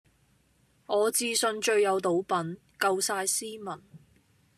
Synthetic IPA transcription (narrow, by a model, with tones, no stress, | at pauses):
ŋɔː˨˧t͡siː˧sɵ˧nt͡ʃɵ˧ɥjɐ˨˧wt̪o˨˥wpɐ˨˥n | kɐ˧wsaː˧jsiː˥mɐ˨˩n